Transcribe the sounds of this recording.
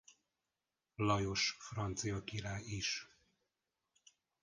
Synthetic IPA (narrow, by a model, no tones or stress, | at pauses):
lɒjo̞ʃfrɒnt̪sijɒkiɾaːjiʃ